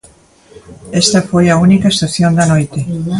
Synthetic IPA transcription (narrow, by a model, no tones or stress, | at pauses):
est̪ɐfojɐunikaɐest̪aθjond̪ɐnojt̪e